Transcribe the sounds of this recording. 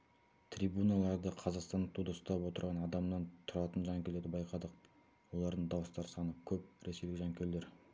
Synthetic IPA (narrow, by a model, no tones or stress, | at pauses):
t̪ʰɾijbunɑlˠɑɾd̪əqʰɑzɑqst̪ɑnət̪ʰud̪əst̪ɑpwo̞t̪əɾʁɑnɑd̪ɑmnɑnt̪ʰʊɾɑt̪ənʒɑŋkʲele̞ɾd̪ɪbɑjqʰɑd̪əq̚ | wo̞lˠɑɾd̪əɴd̪ɑwəst̪ɑɾsɑnəkʲʰɵp̚ɾe̞se̞jlʲɪʒɑŋkʲeleɾ